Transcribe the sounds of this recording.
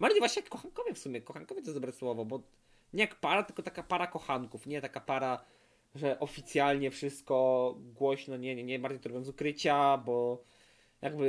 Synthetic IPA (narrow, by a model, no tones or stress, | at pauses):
maivwaɕɲɛjakːɔxankɔvʲjɛfsumʲɛkɔxaŋkɔvʲjɛt̪ɔɛzd̪ɔbɾɛswɔvɔbɔ | ɲɛjakpaɾat̪ɘlkɔt̪akapaɾakɔxaŋkufɲɛt̪akapaɾa | ʐɛʔɔfʲit̪sʲjalɲɛfʂɘst̪kɔɡwɔɕnɔɲɛɲɛmbaɾd͡ʑejt̪ɔɾɔbjɔ̃nzukɾɘt͡ɕabɔ | jʔaɡbɘ